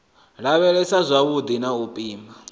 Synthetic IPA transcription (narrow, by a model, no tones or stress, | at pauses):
ɺaβɛɺɛsazʷaβud̪inaupʼiːmba